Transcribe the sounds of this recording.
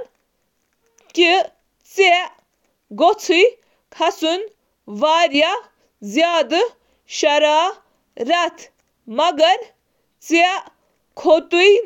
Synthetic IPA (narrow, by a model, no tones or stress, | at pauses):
ki | t͡se | ɡot͡sʰuj | kʰɐsun | ʋaːɾja | zjaːd̪ | ʃɐɾaː | ɾɐt̪ʰ | mɐɡɐɾ | t͡se | kʰot̪uj